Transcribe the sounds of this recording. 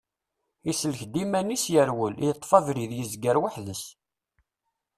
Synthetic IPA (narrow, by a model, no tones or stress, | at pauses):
isələçd̪imænisjəɾwəljət̪ˤːfɑvɾiðjəzɡəɾwaħðəs